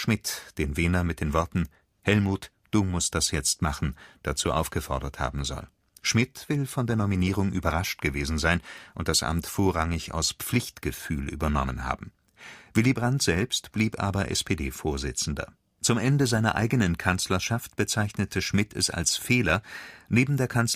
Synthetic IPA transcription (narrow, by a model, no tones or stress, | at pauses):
ʃmɪtd̥eːnveːnɐmɪt̚d̥eːnvɔɐtn̩ | hɛlmuːt | d̥uːmʊst̚d̥asjɛt͡stmaχn̩d̥at͡suːʔaʊfɡ̥əfɔɐdɐtha̰ːbm̩zɔ̰l | ʃmɪtv̥ɪlfɔndeːɐnɔminiːʁ̞ʊŋʔy̰ːbɐʁaʃt̚ɡ̥əveːzn̩zaɪnʔʊnt̚d̥asʔa̰mtfoːɐʁaŋɪça̰ʊsp͡flɪçtɡ̥əfy̰ːlʔy̰ːbɐnɔ̰mənha̰ːbm̩ | vɪlibʁantz̥ɛlpstb̥liːpʔa̰ːbɐʔɛ̰spʰeːdeːfoːɐzɪt͡sn̩dɐ̰ | t͡sʊmʔɛndəzaɪnɐ̰ʔa̰ɪɡənənkʰant͡slɐʃaft̚b̥ət͡saɪçnətʰəʃmɪtʰɛ̰sa̰lsfeːlɐneːbm̩deːɐkʰans